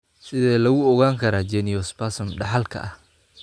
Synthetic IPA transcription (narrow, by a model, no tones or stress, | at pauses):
sɪðɛːlɐɣʊɔɣaːŋkʰɐɾaːd͡ʒɛnɪjɔspasɔmɖɑħɑlkʰɐ̰ʔɐh